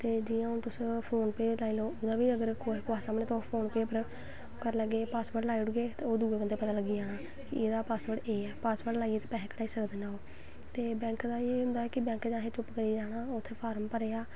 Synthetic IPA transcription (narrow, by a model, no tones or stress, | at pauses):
t̪eːd͡ʒiːjãːʊ̃ːt̪ʊspʰoːnpeːlaːiːloːoːd̪aːbiːəɡəɾkoːkoaːsaːmneːt̪opʰoːnpeːpəɾ | kəɾləɡeːpaːsbəʈlaːiʊɽɡeːt̪aoːd̪uːɡoːkənd̪eːpət̪aːləɡiːd͡ʒaːɽaː | kɪeːd̪aːpaːsʋəʈeːɛːpaːsʋəɾʈlaːieːt̪epɛːɦeːkəɽaːiːsəkd̪eːnaːoː | t̪eːbɛ̃ːŋkd̪aːeːɦʊ̃nd̪aːɛːkɪbɛ̃ːŋkd͡ʒaːɦeːt͡ʃʊpkəɾiːd͡ʒaːɽ̃aːʊt̪ʰːeːpʰaːɾəmpəɾeːaː